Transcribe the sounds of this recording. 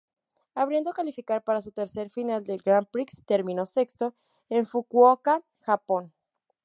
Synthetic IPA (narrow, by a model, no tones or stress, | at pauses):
aβ̞ɾje̞nd̪o̞kalifikaɾpaɾas̬ut̪e̞ɾse̞ɾfinald̪e̞lɡɾampɾikst̪eɾmĩno̞se̞kst̪o̞ | eɱfukwoka | xapo̞n